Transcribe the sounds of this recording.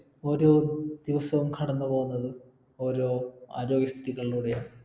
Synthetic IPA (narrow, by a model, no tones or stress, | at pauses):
o̞ːɾo̞ːd̪̥iʋɐsɐʋumkʰɐɽɐnːɨpo̞ːɣunːɐðɨ | o̞ːɾo̞ːa̰ːɾo̞ːɡjɐst̪ʰit̪iɣɐɭiluːɽejaːɳ